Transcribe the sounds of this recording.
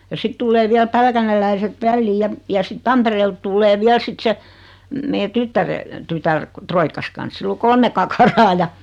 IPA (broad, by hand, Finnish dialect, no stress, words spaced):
jɑ sit tulːeː ʋiæl pælkænelːæiset ʋælːiːj̆ jɑ jɑ sit tɑmpereːlt tulːeː ʋiæl sit se meː tytːære tytær troikːɑs kɑns silː o kolme kɑkɑrɑː jɑ